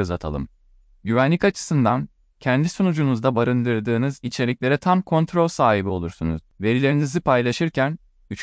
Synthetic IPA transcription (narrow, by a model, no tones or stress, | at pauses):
ɯzat̪ʰa̰lˠɯ̰m | ɟyvænlʲicat͡ʃʰɯ̥sɯnd̪an | cʰɛnd̪isonud͡ʒunuzd̪abaɾɯnd̪ɯɾd̪ɯːnɯzit͡ʃʰe̞ɾlʲic̚lʲe̞ɾɛt̪ʰamkʰo̞nt̪ʰɾolʲsaːɦibio̞lˠuɾsunṵz̥ve̞ɾilʲe̞ɾinizipʰajlˠaʃɯɾcʰæn | yt͡ʃ